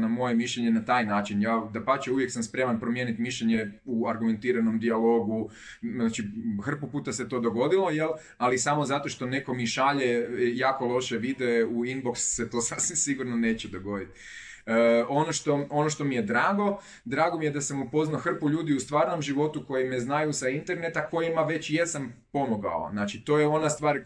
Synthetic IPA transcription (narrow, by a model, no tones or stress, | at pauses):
namo̞jemiʃʎeɲenat̪aːjnaːt͡ʃinjaːd̪apat͡ɕeuʋjeksamspɾe̞manpɾomjenit̪miʃʎeɲeuaɾɡume̞nt̪iːɾano̞md̪ialˠo̞ɡu | znat͡ʃixr̩pupuːt̪ase̞t̪o̞ːd̪o̞ɡo̞d̪ilo̞jel | alisamo̞zat̪o̞ʃt̪o̞ne̞ko̞miʃaʎejaːko̞lˠo̞ʃe̞ʋid̪eeuinbo̞ksːe̞t̪o̞ːsasʋimsiɡuɾnone̞ːt͡ɕed̪o̞ɡo̞d̪it̪ː | o̞noʃt̪o̞o̞noʃt̪o̞mije̞d̪ɾaːɡo̞ | d̪ɾaːɡo̞mijed̪asemupo̞znaxr̩puʎuːd̪iust̪ʋaːɾno̞mʒiʋo̞t̪uko̞jimeznajusaint̪e̞ɾne̞t̪ako̞jimaʋe̞t͡ɕje̞sampo̞mo̞ɡa̰o̰znaːt͡ʃit̪o̞jeo̞nast̪ʋaːɾ